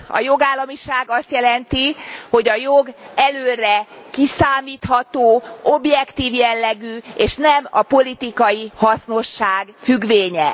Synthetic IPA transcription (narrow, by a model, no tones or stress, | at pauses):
ɒ̰jo̞ɡaːlːɒmiʃaːɡɒst̪jɛlɛnt̪iho̞ɟɒjo̞ɡɛløːrɛkisaːmiːt̪hɒt̪oːo̞bjɛkt̪iːvjɛlːɛɡyeːʃnɛmɒ̰po̞lit̪ikɒjihɒsno̞ʃːaːɡfyɡveːɲɛ